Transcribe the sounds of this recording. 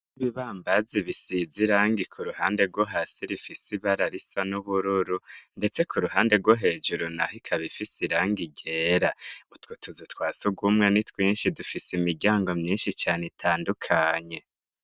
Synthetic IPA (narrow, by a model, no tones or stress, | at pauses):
niβiβaːmbaziβisiziɾaːŋɡikʰuɾuhaːnde̞ɾɡwoɦasiɾifisiβaɾaɾisanuβuɾuɾunde̞t͡se̞kʰuɾuhaːnde̞ɡwoɦe̞ːd͡ʒuɾonahikʰaβifisiɾaːŋɡiɟe̞ːɾautwutʰuzutwaːsuɡumŋenitwiːnʃidufisimiɾɟaːŋɡo̞mɲiːnʃit͡ʃaːnetʰaːndukʰaːɲe̞